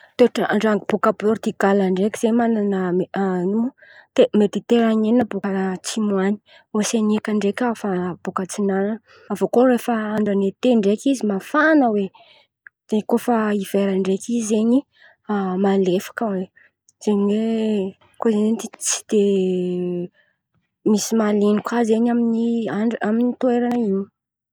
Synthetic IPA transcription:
t̪oʈ͡ʂəaɳɖ͡ʐaŋb̥ukabord̪iɡalaɳɖ͡ʐekʲiz̥emananameanut̪emet̪it̪eɾaɲenəbukət͡simwani̥ | weseniakaɳɖ͡ʐekʲafab̥ukət͡sinanan | avokorefəaɳɖ͡ʐanet̪eɳɖ͡ʐekʲizimafanəwe | d̪̥ekofaiv̥eɾaɳɖ͡ʐekʲʰizeɲi | malefḁkəwe | z̥eɲiwe | kozenenit͡si̥d̪̥e | misimalinikwazeɲaminiaaminit̪ueɾanəiɲi̥

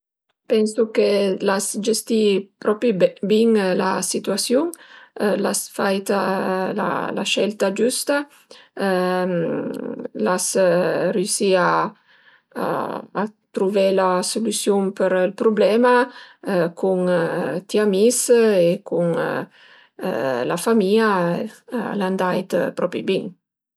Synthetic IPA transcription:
pɛnsukelasd͡ʒest̪ipɾɔpɾibiŋla̰sit̪uasjuŋlasfajt̪ala̰la̰ʃɛlt̪ad͡ʒust̪a | lasriusia | t̪ɾuvɛlasulusjuŋpəɾilpɾublɛma | kʰuŋt̪iamisekuŋ | lafamia̰ | land̪ajt̪pɾɔpɾibiŋ

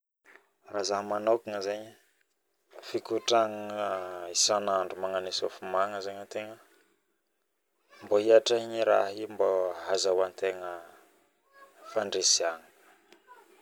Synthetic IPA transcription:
razaɦmanakiŋəzeɲə | fikuʈ͡ʂaŋ | isanaɳɖ͡ʐumaŋanesofumaŋəzeɲət̪eŋə | mboɦiaʈ͡ʂaɲiɾaɦimboɦazawant̪eŋə | faɳɖ͡ʐesiaŋə̥

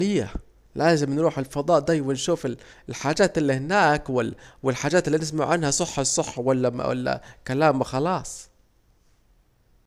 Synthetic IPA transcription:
lɪjːa | laːzɪmnɾuːħɪlfɑd̪ˤɑːʔd̪ajwanʃuːfɪllħaːd͡ʒaːt̪ɪlːihɪnaːkwɪwɪlħaːd͡ʒaːt̪ɪlːinɪs̬maʕʕanhasˤɑħːɑsˤɑħːɑwalːa̰wa̰lːa̰kalaːmxɑlɑːsˤ

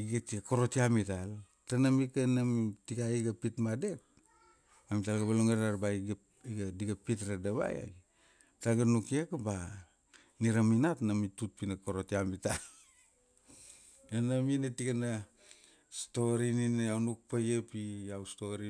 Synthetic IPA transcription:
iɡatiako̞ɾo̞tiamital | tanamikanamitikaiɡapitmade̞k̚ | amitalɡabaloŋaɾaɾbaiɡ | iɡadiɡapitɾadaβa̰ja̰ | talɡanukekaba | niɾaminatnamitut̚pinako̞ɾotiamital | enaminatikana | sto̞ɾininawnuk̚pajepiawsto̞ɾi

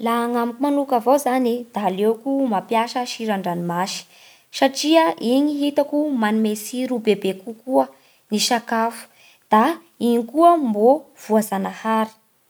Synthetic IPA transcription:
laaŋamikumanukavowzanid̪̥alewkumapjaʃəʃiɾaɳɖ͡ʐanimaʃi̥ | ʃaʈ͡ʂiəʔiɲiɦit̪akumanimesiɾubebekukuə | niʃakafu̥ | d̪̥a | iɲikuəmbo | v̥uazanahaɾi̥

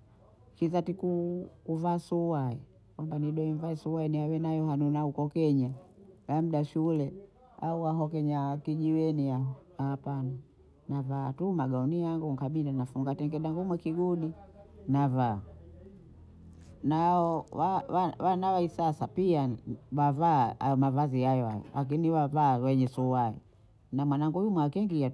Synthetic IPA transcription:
kizatikukuvaːsuwaɛ | kwambaniɗɔimvaɛsuwaɛniawɛnajɔɦanunaukɔkɛɲajam̩ɗaʃulɛ | auwaɦɔkɛɲakiʄiwɛniaapana | navaːtumaɡaɔnijaŋɡuŋkaɓilanafuŋɡatɛŋɡɛɗaŋɡumwɛkiɡuɗinavaː | naɔwawawanawaisasapiawavaaɔmavazihajɔha̰jɔ̰lak̬iniwavaːwɛɲɛsuaḭ | namwanaŋɡujumwakɛŋɡia

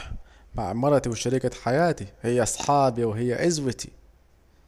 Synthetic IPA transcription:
ma̰ʕmɑɾˤɑt̪iwɪʃaɾikaħajaːt̪ihɪjːaʔɑsˤħɑːbiwɪɦɪjːaʔɪzwɪt̪i̥̰

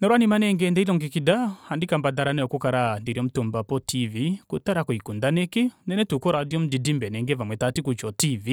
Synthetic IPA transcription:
nɔɾwanimanɛŋɡɛndɛilɔŋɡikidahandikambadaɾanɛɔkukaɾandiɾiɔm̩tumbapɔtʰivikutaɾakuikundanɛkenɛnɛtukɔɾadiɔm̩didimbɛnɛŋɡɛvamwɛtatikut͡ʃɔtivi

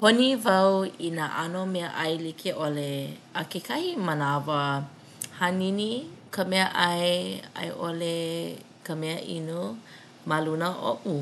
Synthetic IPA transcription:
ponivɐwinaʔanomeəʔɐjlikʰeʔoleəkekʰahimənavə | haninikʰəmɛəʔɐja̰jʔole | kəmɛəʔḭnu | malunəʔo̰ʔu

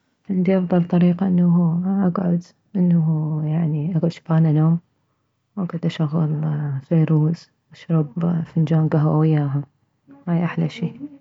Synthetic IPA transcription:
ʕɪnd̪iʔɑfðˤɑlt̪ˤɑɾiːqaʔɪnːahuʔaɡʕʊd̪ | ʔɪnːaɦujaʕniʔaɡʕʊd̪ʃḁbaːnanoːm | wʔaɡad̪ʔaʃaɣːʊ̰lfeːɾuːz | ʔaʃɾˤɑbfɪnd͡ʒaːnɡaɦwa̰wɪjːaːɦa | haːjʔaħlaʃiː

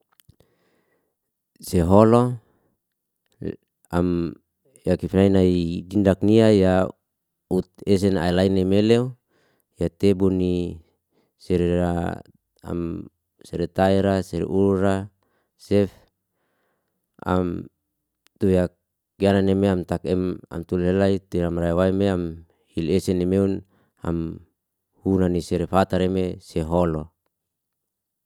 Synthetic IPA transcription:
seɦolo | am | jakifinainaiɡindak̚niaja | ut̪̚es̬ɛna̰ilainemeleu | jat̪ebuni | sɛɾea | a̰m | sɛɾet̪aiɾaseɾḛʔulura | sɛf | a̰m | t̪ujak | ɡiananemeamt̪akɛma̰mt̪ulɦelait̪uɾamraiwaimeam | hilesenemeun | a̰m | hunaniseɾefat̪aɾemeseɦolo

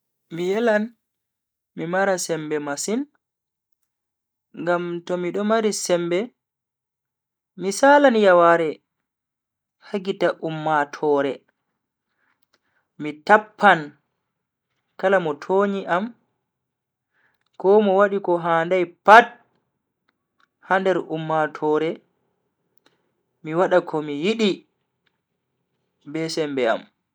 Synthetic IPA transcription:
mijɛlan | mimaɾasɛmbɛmasin | ŋɡamtɔmiɗɔmaɾisɛmbɛ | misaːlanjawaɾɛ | haɡitaʔumːatʰɔːɾɛ | mitapʰːan | kalamɔtʰoːɲiʔam | kɔmɔwaɗikɔɦaːndajpat̚ | handɛɾʔumːatʰɔːɾɛ | miwaɗakʰɔmijiɗi | bɛsɛmbɛa̰m

